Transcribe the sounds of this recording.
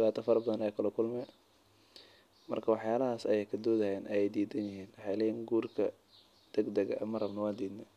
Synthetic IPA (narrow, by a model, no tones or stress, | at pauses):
βaːt̪ʰɐfɐɾbɐðɐnɐjːkʰɐlɐkʰʊlmɛ | mɐ̰rkʰɐwɑħjaːlɐɦaːsɐjɛjkʰɐd̪ɔːðɐjɛːnʔɐjɛjd̪iːd̪ɐnjɪɦiːnwɑħɑjlɛːjhiːŋɡuːrkʰɐ | d̪̥ɐɡd̪ɐɣɐ̰ʔɐmɐrɐbnɐwɑːnd̪iːd̪nɛ